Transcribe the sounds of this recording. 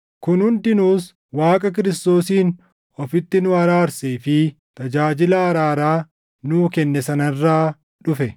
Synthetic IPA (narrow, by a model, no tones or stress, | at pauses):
kʊnhʊnt̪ɪnuːs | waːkʼɐk̬ɪɾɪst̪o̞ːsiːn | ɔfɪt̪ːɪnʊɐɾaːɾseːfɪ | t̪ɐd͡ʒaːd͡ʒɪlaːɾaːɾaː | nuːkɛnːɛsɐnɐrːaː | ᶑʊfɛ